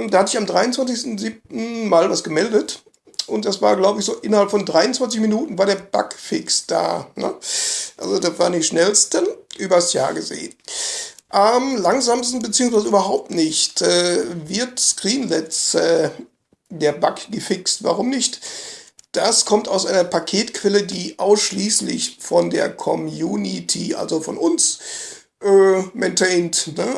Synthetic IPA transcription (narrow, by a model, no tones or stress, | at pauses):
mdaːhatəzɪçamdʁaɪʊnt͡sv̥ant͡sɪçstn̩ziːp̚tn̩maːlvasɡ̥əmɛldət | ʔʊnt̚d̥asv̥aːɐɡlaʊbəɪçz̥oːʔɪnɐhalpfɔndʁaɪʊnt͡sv̥ant͡sɪçminuːtn̩vaːɐɾeːɐb̥a̰kfɪkstd̥a̰ːnə̰ʔa̰lzodavaːɐndiːʃnɛlstənʔyːbɐsja̰ːɐɡəzḛːən | ʔamlaŋzaːmstn̩bət͡siːʊŋsv̥aɪzəʔyːbɐɦaʊp̚tnɪçtɛːvɪɐtsɡʁiːnlɛtsɛː | deːɐbakɡ̥əfɪkstva̰ʁʊmnɪçt | d̥askʰɔmtaʊsʔaɪnɐpʰakʰeːtkʰv̥ɛlədiːʔaʊsʃliːslɪ̰çfɔndḛːɐkʰɔmjuːnitʰḭʔa̰lzofɔnʔʊns | ʔɛːmɛntʰɛɪntnə